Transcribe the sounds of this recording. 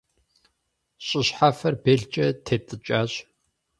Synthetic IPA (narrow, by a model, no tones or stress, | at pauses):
ɕʼɪɕħafɐrbeɮt͡ʃʼɐtʰeːtʼɨt͡ʃʼaːɕʼ